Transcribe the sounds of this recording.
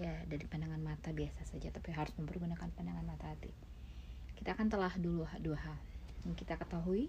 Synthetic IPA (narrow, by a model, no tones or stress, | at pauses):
jadaɾipandaŋanmat̪abiasasad͡ʒat̪apiɦaɾʊsməmpəɾɡunakanpandaŋanmat̪aɦat̪ḭ | kit̪aːkant̪əlahduluɦaduɦajaŋkit̪akət̪aɦui